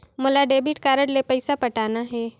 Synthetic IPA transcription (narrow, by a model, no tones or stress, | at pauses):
mʊlaɖeːbɪʈkaːɾəɽlepɐɪsapɐʈaːnaɦɛː